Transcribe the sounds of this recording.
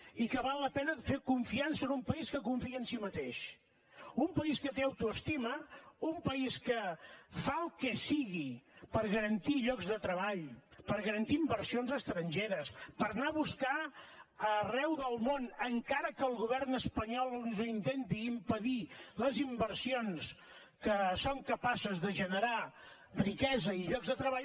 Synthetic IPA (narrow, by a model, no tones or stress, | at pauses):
ikəβalˠːəpɛnəfekuɱfiansəːnumpəiskəkuɱfiənsimət̪eʃ | umpəiskət̪eəwt̪uəst̪iməumpəiskəfaəlˠkɛsiɣipəɾɣəɾənt̪iʎɔɡzðət̪ɾəβaʎpəɾɣəɾənt̪iimbəɾsionzəst̪ɾəɲʒeɾəspəɾnaβuskaərɛwðəlˠmonəŋkaɾəkəːlˠɣuβ̞ɛrnəspəɲɔlˠnzoint̪ent̪iːmpəðiləzimbərsions | kəsoŋkəpasəzðəʒənəɾa | rikɛzəiʎɔɡzðət̪ɾəβ̞aʎ